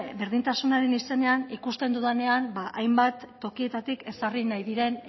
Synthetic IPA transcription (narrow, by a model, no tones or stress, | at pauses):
be̞ɾð̞int̪asunaɾe̞nise̞ne̞anikust̪e̞nd̪uðane̞anbaʔajmbat̪ːo̞kie̞t̪at̪ike̞sarinajðiɾe̞n